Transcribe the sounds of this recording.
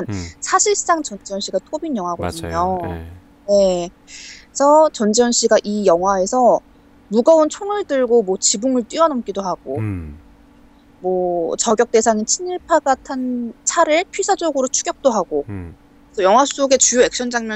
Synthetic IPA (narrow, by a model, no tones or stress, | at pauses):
nsʰaɕʰiɭs͈aŋt͡ɕʌnd͡ʑiʌnɕ͈ʰiɡatʰobinjʌŋɦwaɡʌdɯɲo | je̞ | sʰʌt͡ɕʌnd͡ʑiʌnɕ͈ʰiɡaʔijʌŋɦwae̞sʰʌ | muɡʌunt͡ɕʰoŋɯɭtɯɭɡomwʌt͡ɕibuŋɯɭt͈ɥiʌnʌmk͈idoɦaɡ̥o | mwʌt͡ɕʌɡjʌk̚t͈e̞sʰaŋit͡ɕʰiniɭpʰaɡatʰant͡ɕʰaɾɯɭpʰɥisʰad͡ʑʌɡɯɾot͡ɕʰu̥ɡjʌk̚t͈oɦaɡ̥o | esʰʌjʌŋwas͈oɡe̞t͡ɕujoe̞k̚ɕ͈ʌnd͡ʑaŋmjʌ